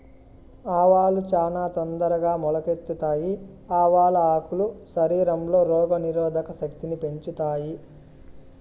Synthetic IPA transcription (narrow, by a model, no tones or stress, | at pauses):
aːʋaːlut͡ʃaːnaːt̪ond̪ɐɾɐɡaːmɔlɐke̞t̪ːut̪aːji | aːʋaːlɐaːkuluʃɐɾiːɾɐmlo̞ːɾɔːɡɐniɾɔːd̪ʱɐkɐʃɐkt̪inipe̞ɲt͡ʃut̪aːji